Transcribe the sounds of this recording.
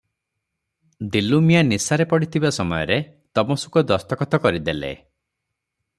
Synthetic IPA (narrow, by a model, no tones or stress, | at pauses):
d̪ilumijanisaɾepɔɽit̪ʰibasɔmɔjɔɾe | t̪ɔmɔsu̥kɔd̪ɔst̪ɔkɔt̪ɔkɔɾid̪elḛ